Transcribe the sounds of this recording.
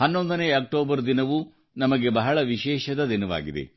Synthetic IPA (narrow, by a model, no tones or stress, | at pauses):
hɐnːond̪ɐneːɐk̚ʈoːbɐɾd̪inɐʋu | nɐmɐɡe̞bɐɦɐɭɐʋiʃɛːʃɐd̪ɐd̪inɐʋa̰ːɡid̪e̞̰